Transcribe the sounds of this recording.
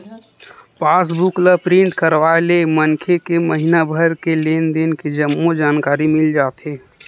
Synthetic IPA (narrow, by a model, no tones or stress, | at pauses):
paːs̬bukləpɾɪ̃ɳʈkəɾʋaːelemənkʰekeməɦinabʱəɾkeleːnd̪enked͡ʒəmːod͡ʒaːnkaːɾimɪld͡ʒaːt̪ɦeː